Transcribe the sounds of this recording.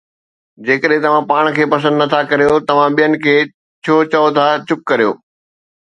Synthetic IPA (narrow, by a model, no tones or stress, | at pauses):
d͡ʑeːkəɗɦɪ̃t̪ɐʋ̤ãpaːɽ̃̆kʰeːpɐs̬ə̃nd̪nɐt̪ʰakɐɾijot̪ɐʋ̤ãɓijənɪ̆kʰeː | t͡ɕʰoːt͡ɕɐot̪ʰat͡ɕʊp̚kɐɾijo̰ː